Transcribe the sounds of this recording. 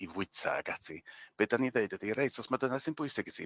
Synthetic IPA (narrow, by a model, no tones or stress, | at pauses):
ivwɪtʰa̰ɡatʰib̥edaniðeɨdədiɾejtsɔsmadənasɪnb̥ʊɨsɪɡ̥ətʰḭ